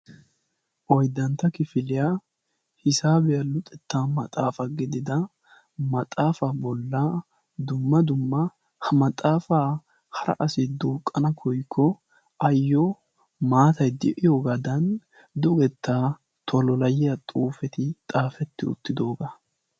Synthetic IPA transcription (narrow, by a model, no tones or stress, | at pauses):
ʔɔjd̪ːɐnt̪ːɐkɪfɪlɪja | hɪsaːbɛjɐlʊt̪ʼɛt̪ːaːmɐt̪ʼaːfɐɡɪd̪ɪd̪ɐ | mɐt̪ʼaːfabɔlːɐ | d̪ʊmːɐd̪ʊmːɐ | hɐmɐt̪ʼaːfaː | hɐɾɐ̰ʔɐsɪd̪uːkʼːɐnɐkʰɔjkʰːɔ | ʔɐjːɔ | maːt̪ɐjd̪ɛʔɪjo̞ːɡad̪ɐn | d̪ʊɡɛt̪ʰːaː | t̪ʰɔlɔlɐjɪjɐt̪ʼuːfɛt̪ɪt̪ʼaːfɛt̪ːɪʊ̰t̪ːɪd̪oːɡa